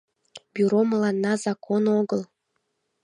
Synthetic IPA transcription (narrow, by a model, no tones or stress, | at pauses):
byɾoməlɑnːɑzɑkʰonoɣəl